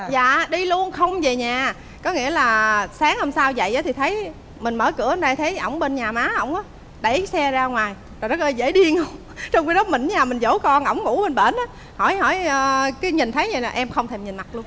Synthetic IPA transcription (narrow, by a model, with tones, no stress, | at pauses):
za̰ː˧˨ɗi˧lu˧ənxə˧wŋ͡mve˨˩ɲaː˨˩ | kɔ˨˦ŋḭ˧˥əlaː˨˩saː˨˦ŋhə˧msaː˧wzə̰˧˨jʔaː˨˦t̪ʰi˨˩t̪ʰə˨˦j | mï˨˩ŋmə̰ː˧˩kɨ˧˩əʔə˧nɗaː˧jt̪ʰe˨˦jʔə̰˧˩wŋ͡mɓe˧nɲaː˨˩maː˨˦ʔə˧wŋ͡mʔaː˨˦ | ɗə˧˩jsɛ˧zaː˧ŋwaː˨˩j | zɔ˨˩zə˦˥t̚ʔəː˧jzḛ˧˥ɗi˧əŋʔə˧wŋ͡m | t͡ɕɔ˧wŋ͡mki˧ɗɔ˨˦mï˨˩ŋ̟ɲaː˨˩mi˨˩ŋzo˧˦kɔ˧nʔə˧˩wŋ͡mŋṵ˧˥ɓe˨˧˩nɓe˧˩nʔaː˨˦ | hɔ˧˩jhɔ̰˧˩jəː˧˩kaː˨˦jɲi˨˩nt̪ʰə˨˦jɲə̰˧˩la˨˩ʔɛ˧mxə˧wŋ͡mt̪ʰe˧˩mɲi˨˩nma˨˩t̚lu˧ən